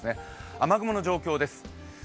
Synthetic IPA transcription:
ɨne̞amaɡɯ̟mono̞ʑo̞ːkʲo̞ːd̪e̞sɨ̥

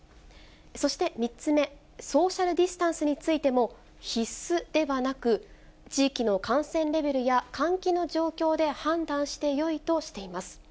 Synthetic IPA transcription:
so̞ɕi̥t̪e̞mʲit͡sɨme̞ | so̞ːɕaɾɯ̟d̪ʲisɨ̥t̪ãɰ̃sɨɲ̟it͡sɨit̪e̞mo̞ | çisɨd̪̥e̞βanakɯ̟ | t͡ɕiːkʲino̞kãɰ̃sẽ̞nɾe̞be̞ɾɯ̟jakãŋkʲino̞ʑo̞ːkʲo̞ːd̪e̞hãnd̪ãɰ̃ɕi̥t̪e̞jo̞it̪o̞ɕi̥t̪e̞imasɨ̥

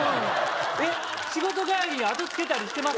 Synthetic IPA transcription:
e | ɕiɡo̞t̪̬o̞ɡaeɾʲiat̪o̞t͡sɨ̥ke̞t̪aɾʲiɕi̥t̪emas

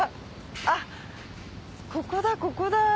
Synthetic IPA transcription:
a | kʰokod̪ako̞ko̞d̪a

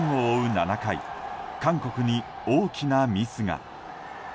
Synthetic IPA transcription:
oːɯ̟nanakaḭkãŋko̞kɯ̟ɲ̟i | o̞ːkʲinamʲisɨŋa̰

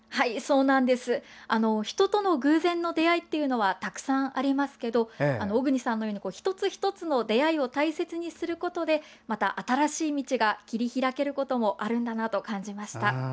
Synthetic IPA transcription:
haiso̞ːnãnd̪e̞sɨ | ano̞çi̥t̪o̞t̪o̞no̞ɡɯ̟ːzẽ̞nːo̞d̪e̞ait̪ːe̞jɯ̟no̞βat̪akɯ̟̥sãɰ̃ʔaɾʲimasɨ̥ke̞d̪o̞ano̞ːɡɯ̟ɲ̟isãnːojo̞ːɲ̟iko̞ːçi̥t̪o̞t͡sɨçi̥t̪o̞t͡sɨno̞d̪e̞aio̞t̪aise̞t͡sɨɲ̟isɨɾɯ̟ko̞t̪o̞d̪e̞ | mat̪aʔat̪aɾaɕiːmʲit͡ɕiɡakʲiɾʲiçiɾake̞ɾɯ̟ko̞t̪o̞mo̞ʔaɾɯ̟̃nd̪anat̪o̞kãɲ̟d͡ʑimaɕi̥t̪a

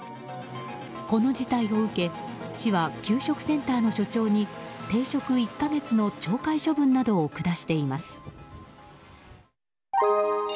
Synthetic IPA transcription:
ko̞no̞d͡ʑit̪aio̞ɯ̟ke̞ | t͡ɕiβakʲɨːɕo̞kɯ̟̥sẽ̞nt̪aːno̞ɕo̞t͡ɕo̞ːɲ̟it̪e̞ːɕo̞kɯ̟ikːaɡe̞t͡sɨno̞t͡ɕo̞ːkaiɕo̞bɯ̟̃nːad̪o̞ːkɯ̟d̪aɕi̥t̪e̞imasɨ̥

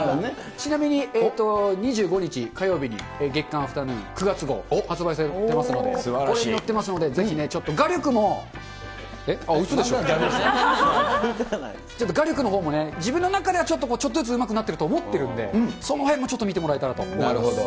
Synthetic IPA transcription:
t͡ɕinamʲiɲ̟iet̪ːo̞ɲ̟iʑɨːɡo̞ɲ̟it͡ɕikajo̞ːbʲiɲ̟ḭ | eɡe̞kːãɰ̃ɸɯ̟̥t̪anɯ̃kɯ̟ɡat͡sɨɡo̞̰hat͡sɨbais̬aɾeemasɨno̞d̪eskoɾeinot̪ːe̞masɨno̞d̪e̞d͡ze̞çine̞t͡ɕo̞t̪ːoɡaɾʲokɯ̟mo̞ | eaɯsod̪eɕo | t͡ɕot̪ːoɡaɾʲokɯ̟no̞ɦo̞ːmo̞ne̞d͡ʑibɯ̟̃nːo̞nakad̪e̞βat͡ɕo̞t̪ːokoːt͡ɕot̪ːozɨt͡s̬ɨɯmakɯ̟nat̪ːe̞ɾɯ̟t̪oːmo̞t̪ːe̞ɾɯ̟̃nd̪e̞̰so̞no̞hẽ̞mːot͡ɕo̞t̪ːomʲit̪̬emo̞ɾaet̪aɾat̪o̞̰nɾɯod̪o

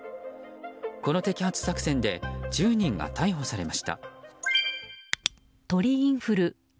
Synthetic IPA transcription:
ko̞no̞t̪e̞kʲihat͡sɨ̥sakɯ̟sẽ̞nd̪e̞d͡ʑɨːɲ̟ĩŋɡa̰t̪ʰaiɦo̞saɾe̞maɕi̥t̪a̰ | t̪o̞ɾʲiĩɰ̃ɸɯ̟ɾɯ̟

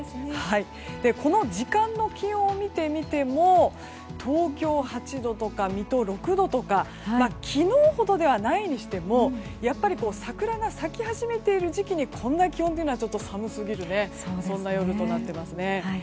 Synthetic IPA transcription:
hai | d̪̥e̞kʰo̞no̞d͡ʑikãnːo̞kʲihõomʲit̪e̞mʲit̪e̞mo̞ | t̪ʰo̞ːkʲo̞ːhat͡ɕid̪o̞t̪o̞kamʲit̪o̞ɾo̞kɯ̟d̪o̞t̪o̞ka | makʲʰino̞ːho̞d̪o̞d̪e̞β̞anaiɲ̟iɕi̥t̪e̞mo̞japːaɾʲiko̞ːsakɯ̟ɾanasakʲihaʑime̞t̪e̞iɾɯ̟ʑikʲiɲ̟ikʰõ̞nːakʲihont̪eiɯnoat͡ɕo̞t̪ːo̞samɯ̟sɨɡʲiɾɯ̟ne̞ | sõ̞nːajo̞ɾɯ̟t̪o̞nat̪ːe̞masɨne̞

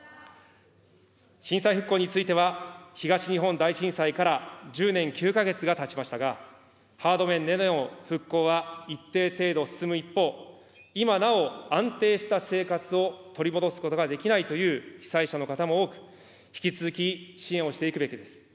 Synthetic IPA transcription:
ɕĩɰ̃saiɸɯ̟kːo̞ːɲ̟it͡sɨit̪e̞βaçiɡaɕiɲ̟iɦõ̞nd̪aiɕĩɰ̃saikaɾaʑɨːnẽ̞ŋkʲɨːkaɡe̞t͡sɨɡat̪at͡ɕimaɕi̥t̪aɡa | haːd̪o̞mẽ̞nːe̞noõɸɯ̟kːo̞ːβait̪ːe̞ːt̪e̞ːd̪o̞sɨ̥sɨmɯ̟ipːo̞ː | imanao̞ãnt̪e̞ːɕi̥t̪ase̞ːkat͡sɨo̞t̪o̞ɾʲimo̞d̪o̞sɨ̥ko̞t̪o̞ɡad̪e̞kʲinait̪o̞jɯ̟ːçʲi̥saiɕano̞kat̪amooːkɯ̟̥ | çi̥kʲit͡sɨzɨkʲiɕiẽ̞ɰ̃o̞ɕi̥t̪e̞ikɯ̟be̞kʲid̪e̞sɨ̥

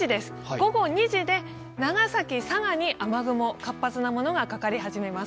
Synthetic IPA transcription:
id̪e̞sɨ̥ɡ̥o̞ɡo̞ɲ̟iʑid̪e̞ | naɡasakʲisaɡaɲ̟iʔʔamaɡɯ̟mo̞kapːat͡sɨnamo̞no̞ɡakakaɾʲihaʑime̞mas

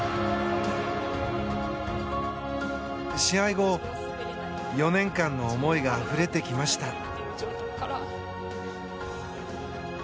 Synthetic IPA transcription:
iɕĩaiɡo̞ | jo̞nẽ̞ŋkãnːo̞ːmo̞iɡaɸɯ̟ɾe̞t̪e̞kʲimaɕi̥t̪a

